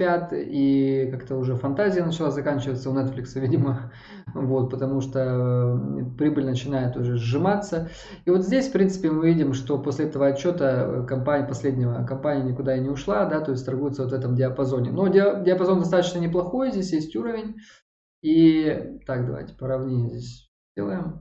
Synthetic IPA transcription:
pʲat̪ikakt̪əʊʐɛfɐnt̪azʲɪjənət͡ɕɪlˠazɐkanʲt͡ɕɪvət̪sːəʊnɛt̪flʲɪksəvʲidʲɪmə | vo̞t̪̚pət̪ɐmuʂt̪o | pɾʲibɨlʲnət͡ɕɪnajɪt̪ʊʐɛzʐɨmat̪sːə | ivo̞t̪zʲdʲesʲfpɾʲint̪sɨ̥pʲɪmɨvʲidʲɪmʂt̪o̞po̞sʲlʲɪɛt̪əvəɐt͡ɕːo̞t̪ə̰kɐmpanʲpɐsʲlʲedʲnʲɪvəkɐmpanʲɪjənʲɪkʊd̪aɪnʲɪʊʂlˠad̪at̪o̞ɪsʲt̪ɐrɡujɪt̪səvo̞t̪vɛt̪əmdʲɪɐpɐzo̞nʲɪ̰nodʲdʲɪɐpɐzo̞nd̪ɐst̪at̪ət͡ɕnənʲɪplˠɐxo̞jzʲdʲesʲjesʲtʲuɾəvʲɪnʲ | it̪akd̪ɐva̰jtʲɪ̥pəɾɐvnʲenʲɪjzʲdʲesʲ | dʲḛlˠəjɪm

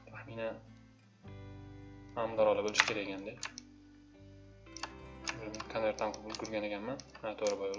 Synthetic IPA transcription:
t̪ʰaχminan | hamd̪ɒɾɒlˠɪbolɪʃkʰʲeɾajkʲʰand̪e | bmkʰaneɾt̪ʰamqʰɑbʊlˠkʰʲʊɾɡʲanekʲanmanat̪ʰoɾɪbɒjɒl

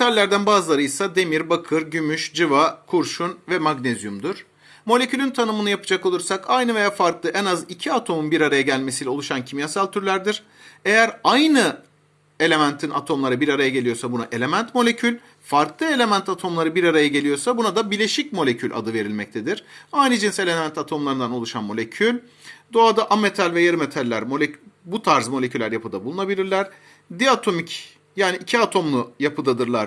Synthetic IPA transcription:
t̪ʰalʲːæɾd̪ænbaːzɯlˠaɾɯjsad̪e̞miɾbakʰɯɾɟymyʃd͡ʒɯvakʰuɾʃunvɛmaɡnezjumd̪uɾ̥ | mo̞lʲe̞cʰylʲynt̪ʰanɯmɯnɯjapɯd͡ʒako̞lˠuɾsakajnɯve̞jaːfaɾklˠɯʔɛnazicʰiat̪ʰo̞munbiɾaɾajaɟælʲme̞siːlʲɛolˠuʃancʰimijasalʲt̪ʰyɾlʲæɾd̪iɾ̥ | e̞jæɾajnɯ | e̞lʲe̞mænt̪ʰinʔa̰t̪ʰo̞mlˠaɾɯbiɾaɾajaɟe̞lʲijo̞ɾsabunaʔe̞lʲe̞mænt̪mo̞lʲe̞cʰylʲ | faɾklˠɯe̞lʲe̞mænt̪ʰat̪ʰo̞mlˠaɾɯbiɾaɾajaɟe̞lʲijo̞ɾsabunad̪abiɾlʲe̞ʃic̚mo̞lʲe̞cʰylʲʔa̰d̪ɯve̞ɾilʲmɛc̚t̪ʰed̪iɾ̥ajnɯd͡ʒinse̞lʲemænt̪ʰat̪ʰo̞mlˠaɾɯnd̪ano̞lˠuʃanmo̞lʲecʰylʲ | d̪o̞ad̪aʔame̞t̪ʰalʲvɛjeɾmet̪ʰalʲːæɾmo̞lʲecybut̪ʰaɾzmolʲe̞cʰylʲæɾjapʰɯd̪abulˠunabilʲiɾlʲæɾ̥ | d̪iat̪ʰo̞mic | jaːniʔicʰiat̪ʰo̞mlˠʊjapʰɯd̪ad̪ɯɾlˠaɾ

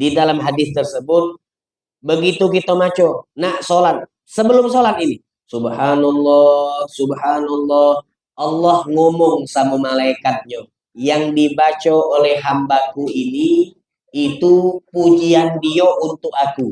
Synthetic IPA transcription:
didalamɦadɪθt̪ərsəbʊt̪̚ | bəɡit̪ukit̪amat͡ʃonasolat̪̚ | səbəlʊmsolat̪̚ini | subhanalːɔhsubhanɔlːɔh | ʔɑlːɔhŋomɔŋsamamalaikat̪̚ɲa | jaŋdibat͡ʃaolɛhɦambakuiniː | t̪upud͡ʒiandioʔunt̪ʊk̚aku

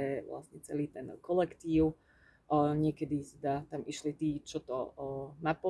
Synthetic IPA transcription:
ɛʋla̰st̪ɲɛt͡sɛliːt̪ɛnkɔlɛkt̪iːʊ | ɲɪɛkɛd̪it̪ɛd̪at̪amiʃlit̪iːt͡ʃɔt̪ɔ̰napɔ

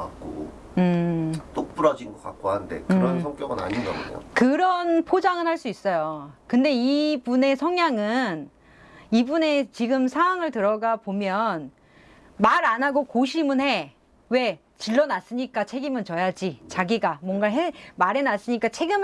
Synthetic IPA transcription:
ak̚k͈o̰ | ɯt͈ok̚p͈uɾʌd͡ʑinɡʌk͈a̰k̚k͈oɦande̞̰kɯɾʌnʰʌŋk͈jʌɡɯna̰ɲinɡama̰o̰kɯɾʌnpʰod͡ʑaŋɯnɦhaɭs͈uis͈ʌjokɯnde̞ipune̞sʰʌŋɲaŋɯn | ibune̞t͡ɕiɡɯmsʰaŋaŋɯɭtɯɾʌɡapomjʌn | maɾanaɡokoɕʰimɯnɦe̞ | we̞ | t͡ɕiɭːʌnas͈ɯɲik͈at͡ɕʰe̞ɡimɯnt͡ɕʌjad͡ʑit͡ɕaɡiɡamwʌŋɡaɦemaɾe̞nas͈ɯɲik͈at͡ɕʰeɡim

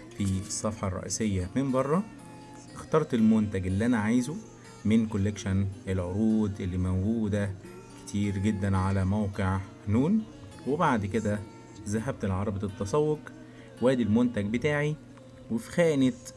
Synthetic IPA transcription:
fiesˤːɑfħɑrˤːɑ̰ʔḭːsejːæmembɑrˤːɑ | ext̪ɑɾˤt̪elmont̪æɡelːiʔænæʕajzu | menkolːekʃænʔelʕoɾˤuːd̪ʔelːimæwɡuːd̪æ | ke̥t̪ʰiːɾɡed̪ːænʕalæmæwqeʕ | nuːn | webaʕd̪ked̪æ | zæɦæb̚t̪elʕɑɾˤɑbet̪et̪ːɑsˤɑwːoq | wæːd̪ilmont̪æɡbet̪aːʕi | wefi̥xæːnet̪

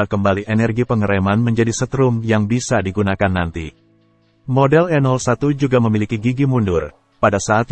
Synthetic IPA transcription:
akəmbaliʔenɛrɡipəŋəɾemanməɲd͡ʒadisət̪ɾʊmjaŋbisadiɡunakanːant̪ḭ | modɛlɛnɔlsat̪ud͡ʒuɡaməmilikiɡiɡimundʊr | padasaːt̪

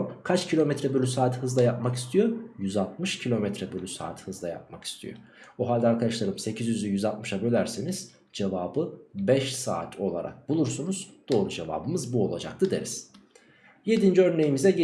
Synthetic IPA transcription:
mkʰat͡ʃcʰilʲo̞mɛt̪ɾɛbølʲysaːt̪hɯzlˠajap̚maki̥st̪ʰijo̞jyzalˠt̪̚mɯʃcʰilʲo̞mɛt̪ɾɛbølʲysa̰ːt̪ʰhɯzlˠaja̰p̚maki̥st̪ʰḭjo̰ | oɦalʲd̪ɛaɾkʰad̪aʃlˠaɾɯmse̞cʰizjyzɛjyzalˠt̪̚mɯʃabølʲæɾseniz̥ | d͡ʒevaːbɯbɛʃsa̰ːt̪ʰo̞lˠaɾʔa̰k̚bulˠuɾsunuzd̪̥o̞ːɾud͡ʒe̞va̰ːbɯmɯzbuo̞lˠa̰d͡ʒa̰k̚t̪ʰɯd̪eɾiz̥ | je̞d̪ind͡ʒiøɾne̞jimizɛɟe

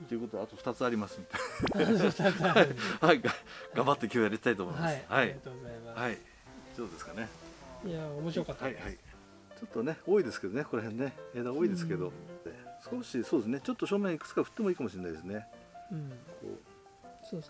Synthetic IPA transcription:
t̪eiɯ̟ko̞t̪od̪eat̪oɸɯ̟̥t̪at͡sɨaɾʲimasɨt̪ | hahaiɡaɡ̥ãmbat̪ːe̞kʲo̞ːjaɾeɕi̥t̪ait̪oːmoimashaihai | d̪oːd̪e̞sɨ̥kane̞jaomoɕiɾokahaihai | t͡ɕo̞t̪ːo̞ne̞o̞ːid̪esɨ̥ke̞d̪o̞ne̞ko̞ɾeɦẽ̞nːe̞eːd̪ao̞ːid̪e̞sɨ̥ke̞d̪o̞esɨ̥ko̞ɕiso̞ːd̪esɨne̞t͡ɕo̞t̪ːoɕoːmẽ̞ɰikɯ̥t͡sɨ̥kaɸɯ̟̥t̪ːe̞mo̞iːkamo̞ɕiɾenːajd̪esɨne̞ | kʰo̰ː

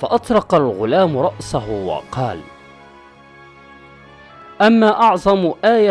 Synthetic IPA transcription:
faʔɑt̪ˤɾˤɑqɑlɣʊlaːmɾˤɑʔsaɦʊwɑ̰qɑːl | ʔamːaːʔɑʕðˤɑmʔaːja

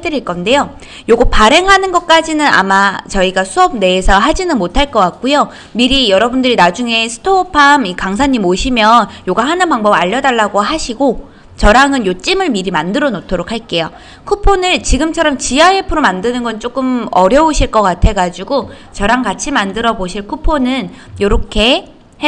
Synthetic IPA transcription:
dɯɾiɭk͈ʌnde̞jo | joɡopaɾe̞ŋɦanɯnɡʌt̚k͈ad͡ʑinɯna̰mat͡ɕʌiɡasʰuʌp̚ne̞ːsʰʌɦad͡ʑinɯnmotʰaɭk͈ʌk͈ak̚k͈ujo | miɾijʌɾʌbundɯɾinad͡ʑuŋe̞sʰɯ̥tʰoːpʰamikaŋs̬ʰaɲːimoɕʰimjʌnjoɡaɦanɯnpaŋbʌbaʎːʌdaɭːaɡoɦaɕʰiɡo | t͡ɕʌɾaŋɯnjot͡ɕ͈imɯɭmiɾimandɯɾʌnotʰoɾokʰaɭk͈e̞jo | kʰupʰonɯɭt͡ɕiɡɯmt͡ɕʰʌɾʌmt͡ɕiaepʰɯɾomandɯnɯnɡʌnt͡ɕ͈ok͈ɯmʌɾjʌoɕʰiɭk͈ʌk͈atʰe̞ɡad͡ʑiɡo | t͡ɕʌɾaŋkat͡ɕʰimandɯɾʌboɕʰiɭkʰupʰonɯnjoɾʌkʰe̞ | h

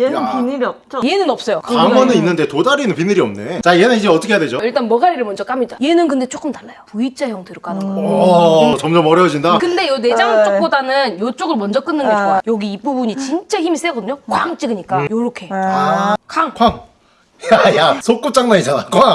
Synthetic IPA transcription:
puniɾiʌp̚t͡ɕ͈oje̞nɯnʌp̚s͈ʌjokaamʌnɯninːɯnde̞todaɾinɯnpinɯɾiʌmne̞t͡ɕaienanid͡ʑeʌtʰʌkʰejadwed͡ʑoiɭt͈anmʌɡaɾiɾɯɭmʌnd͡ʑʌk͈amɲidaije̞nɯnkɯnde̞t͡ɕ͈ok͈ɯmtaɭːajopuit͡ɕ͈ʰajʌŋtɯɾok͈ano | t͡ɕʌmd͡ʑʌmʌɾjʌd͡ʑindakɯnde̞jone̞d͡ʑaŋɯt͡ɕokk͈odanɯnjot͡ɕ͈oɡɯɭmʌnd͡ʑʌk͈ɯnːɯnɡʌd͡ʑɡojʌɡiːp͈ubuɲit͡ɕint͡ɕ͈açimis͈eɡʌdɯɲok͈waŋt͡ɕ͈iɡɯɲik͈ajoɾokʰe̞ | kʰaŋkʰaŋ | jajasʰok͈up̚t͡ɕ͈aŋnaɲit͡ɕanakoa

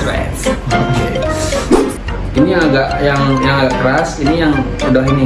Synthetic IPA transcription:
pɛ̰sokḛ | iniaɡaʔjaŋjaŋaɡaʔkəɾasinijaŋ | udahini

